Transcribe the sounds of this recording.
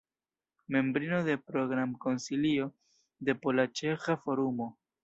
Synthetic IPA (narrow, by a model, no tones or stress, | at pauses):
me̞mbɾino̞de̞pɾo̞ɡɾamko̞nsilio̞ | de̞polat͡ʃe̞xafo̞ɾumo̞